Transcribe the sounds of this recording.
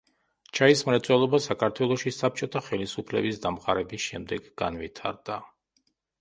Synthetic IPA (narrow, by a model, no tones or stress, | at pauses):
t͡ʃʰaismɾat̪sʼwɛlˠɔbasakʰaɾt̪ʰwɛlˠɔʃisap̚t͡ʃʼɔt̪ʰaχɛlisupʰlɛ̰bis̬d̪amqʼaɾɛbisʃɛmd̪ɛɡɡa̰nvit̪ʰaɾd̪̥a